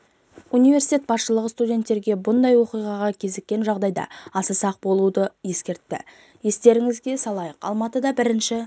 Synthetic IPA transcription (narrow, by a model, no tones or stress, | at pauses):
unijve̞ɾsi̥t̪ʲet̪̚bɑsʃəlˠəʁəst̪udʲe̞nt̪ːe̞ɾɡʲe̞bʊnd̪ɑjwo̞qijʁɑʁɑkʲʰe̞zekʲːe̞nʒɑʁd̪ɑjd̪ɑ̰ɑsəsɑq̚bo̞lˠud̪əje̞skʲe̞ɾt̪ːɪ̰ | je̞st̪e̞ɾɪŋɪzɡʲe̞sɑlˠɑjəqɑ̰lˠmɑt̪əd̪ɑbɪɾɪnʃɪ